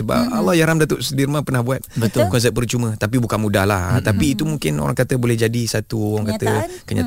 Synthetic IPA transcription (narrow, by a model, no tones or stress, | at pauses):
əba̰p̚a̰lɔhjaɾamdat̪oʔsəbirmãpərnahbuat̪̚bət̪ʊlkɔns̬ɛp̚bərt͡ʃumə̃t̪ap̬ibukanmudahlaha̰t̪apiːt̪umuŋkɪno̰ɾa̰ŋkat̪əbolɛhd͡ʒadisat̪uoaŋkat̪əkəɲa̰